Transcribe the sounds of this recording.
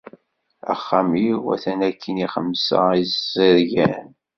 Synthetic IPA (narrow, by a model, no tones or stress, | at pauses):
æ̰χːamiwæ̰θænækʰːəniχəmsə̰izzəɾʝæn